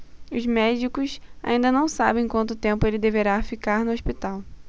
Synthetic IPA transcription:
ʊzmɛd͡ʒikʊsa̰ĩnd̪ɐnɐ̃w̃sa̰bẽj̃kwɐ̃nt̪ʊt̪ẽmpʊelɪd̪eveɾafikaɾnʊoʃpit̪aw

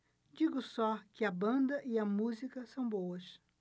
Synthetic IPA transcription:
d͡ʒiɡʊsɔkɪɐbɐ̃nd̪ɐʔiɐmuzikɐsɐ̃w̃bowɐs

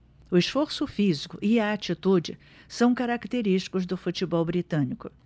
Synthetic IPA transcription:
ʊɪʃfoɾsʊfizikʊʔɪaat͡ʃit̪ud͡ʒɪ | sɐ̃w̃kaɾakt̪eɾiʃt͡ʃi̥kʊzd̪ʊfut͡ʃibɔwbɾit̪ɐ̃nikʊ

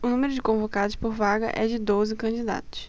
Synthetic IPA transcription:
ʊnũmeɾʊd͡ʒɪkõvokad̪ʊspoɾvaɡɐ̰ʔɛd͡ʒɪd̪ozɪkɐ̃d͡ʒɪd̪a̰t̪ʊ̥s

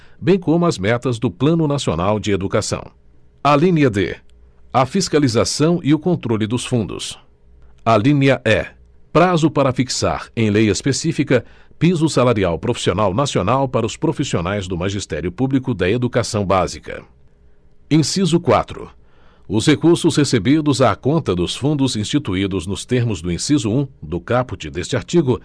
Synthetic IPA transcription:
bẽj̃kõmʊɐzmɛt̪ɐzd̪ʊplɐ̃nʊnasionawd͡ʒɪed̪ukasɐ̰̃w̃ | ɐlĩnɐd̪ḛ | ɐfiskalizasɐ̃w̃iʊkõnt̪ɾolɪd̪ʊsfũnd̪ʊ̰s | ɐlĩnɐʔɛ | pɾazʊpaɾɐfiksa̰ɾẽj̃lejɐɪspesifikɐpizʊsalaɾiawpɾofi̥sionawnasionawpaɾɐʊspɾofisionajzd̪ʊmaʒist̪ɛɾjʊpublikʊd̪ɐed̪ukasɐ̃w̃bazikɐ̰ | ẽsizʊkwa̰t̪ɾʊ̰ | ʊshekuɾsʊshesebid̪ʊzaːkõnt̪ɐd̪ʊsfũnd̪ʊzĩst͡ʃit̪uid̪ʊznʊst̪eɾmʊzd̪ʊĩsizʊũd̪ʊkapʊt͡ʃɪd̪est͡ʃɪaɾt͡ʃiɡʊ

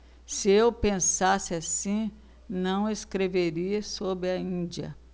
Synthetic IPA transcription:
sɪewpẽsasɪasĩ | nɐ̃w̃eskɾeveɾiɐsobɪɐĩd͡ʒiɐ̰

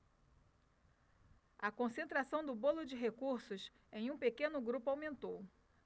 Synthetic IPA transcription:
ɐkõsẽnt̪ɾasɐ̃w̃d̪ʊbolʊd͡ʒɪɦekuɾsʊs | ẽj̃ũpekẽnʊɡɾupʊawmẽnt̪ow

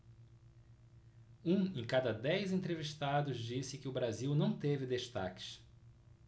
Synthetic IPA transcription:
ũẽkad̪ɐd̪ɛjzẽnt̪ɾeviʃt̪ad̪ʊzd͡ʒisɪkɪʊbɾaziwnɐ̃w̃t̪evɪd̪eʃt̪a̰kɪ̥s

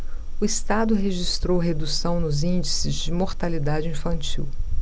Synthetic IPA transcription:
ʊist̪ad̪ʊɦeʒist̪ɾowɦed̪usɐ̃w̃nʊzĩd͡ʒisɪzd͡ʒɪmoɾt̪alid̪ad͡ʒɪĩfɐ̃nt͡ʃḭw

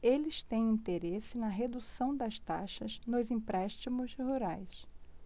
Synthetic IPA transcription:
elɪʃt̪ẽj̃ĩt̪eɾesɪnɐɦed̪usɐ̃w̃d̪ɐʃt̪a̰ʃɐznʊzĩpɾɛʃt͡ʃimʊshuɾajs

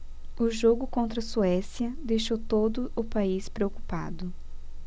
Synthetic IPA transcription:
ʊʒoɡʊkõnt̪ɾɐsuɛsiɐd̪ejʃowt̪od̪ʊʊpaispɾeoku̥pa̰d̪ʊ

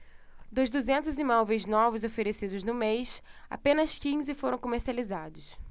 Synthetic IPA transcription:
d̪ojzd̪uzẽnt̪ʊzimɔvejznɔvʊzofeɾesid̪ʊznʊmejsa̰pẽnɐskĩzɪfoɾɐ̃w̃komeɾsializad̪ʊs

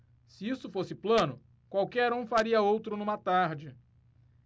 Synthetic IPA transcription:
sɪisʊfosɪplɐ̃nʊ | kwawkɛɾũfaɾiɐowt̪ɾʊnũmɐt̪aɾd͡ʒɪ

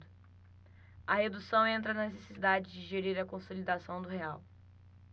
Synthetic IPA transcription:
d̪ʊ | ɐhed̪usɐ̃w̃ẽnt̪̬ɾɐnɐnesesid̪ad͡ʒɪd͡ʒɪʒeɾiɾɐkõsolid̪asɐ̃w̃d̪ʊɦeaw

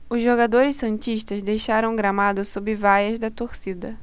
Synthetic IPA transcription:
ʊzʒoɡad̪oɾɪsɐ̃nt͡ʃiʃt̪ɐzd̪ejʃaɾɐ̃w̃ɡɾamad̪ʊsobɪvajɐzd̪ɐt̪oɾsid̪ɐ

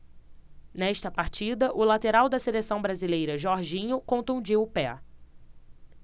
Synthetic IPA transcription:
nɛʃt̪ɐpaɾt͡ʃid̪ɐʔʊlat̪eɾawd̪ɐselesɐ̃w̃bɾazilejɾɐʒɔɾʒĩɲʊkõnt̪ũd͡ʒiwʊpɛ

